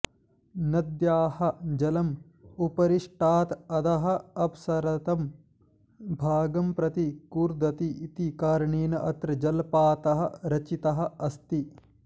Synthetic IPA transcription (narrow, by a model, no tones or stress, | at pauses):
nɐd̪jaːhɐ̆d͡ʒɐlɐm | upɐɾiʂʈaːt̪ɐd̪ɐɦɐ̆ɐpsɐɾɐt̪ɐm | bʱaːɡɐmpɾɐt̪ikuːɾd̪ɐt̪iːt̪ikaːɾɐɳeːnɐʔɐt̪ɾɐd͡ʒɐlpaːt̪ɐɦɐ̆ɾɐt͡ʃit̪ɐɦɐ̆ɐst̪i